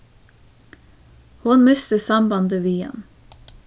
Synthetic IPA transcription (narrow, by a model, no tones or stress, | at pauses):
hʊnmʏst̪əsɑmbɑnd̪əʋiːɛ̰n